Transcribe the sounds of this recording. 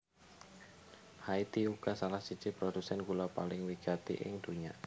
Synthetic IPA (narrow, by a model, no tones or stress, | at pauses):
hait̪iuɡ̥asalahsid̥t͡ʃipɾodusɛnkulapalɪŋwiɡ̥at̪ḭʔɪ̰ŋd̪̥uɲa